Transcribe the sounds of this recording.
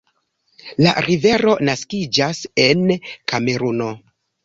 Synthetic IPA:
la̰ɾive̞ɾo̞naskid͡ʒase̞nkame̞ɾuno̞

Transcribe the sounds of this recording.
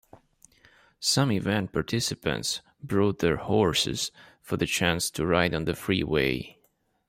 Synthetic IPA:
sʌ̃mivɛ̃nt̚pʰɑɹtʰɪsɨpɨ̰̃nts | bɹɔʊt̪̚ðəɹhɔɹsɨ̰z̥fə˞ðɨt͡ʃʰæ̃nstʰɨɹaɪɾ̃n̩ðɨfɹiweɪ

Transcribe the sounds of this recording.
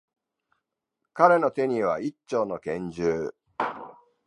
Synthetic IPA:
kaɾe̞no̞t̪e̞ɲ̟iβait͡ɕːo̞ːno̞kẽ̞ɲ̟d͡ʑɨː

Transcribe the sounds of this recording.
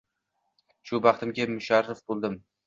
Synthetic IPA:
ʃʊbɑχt̪ʰɪmɡʲamʊʃaɾːɪfbolˠd̪ɪm

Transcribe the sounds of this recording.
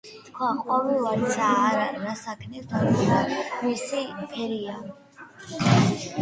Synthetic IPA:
kʰwaqʼɔvilaɾsʰaɾaːasakʰnɛt̪ʰaɾɔɾamisipʰɛɾia

